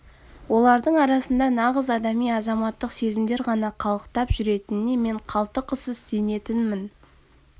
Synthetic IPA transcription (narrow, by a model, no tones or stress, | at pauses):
wo̞lˠɑɾd̪əɴɑɾɑsənd̪ɑnɑʁəzɑd̪ɑmijɑzɑmɑt̪ːəqse̞zɪmd̪e̞ɾʁɑnɑqʰɑlˠəqt̪ɑpʒʏɾe̞t̪ɪnɪne̞me̞ɴqʰɑlˠt̪əqʰəsəzse̞ne̞t̪ɪnmɪn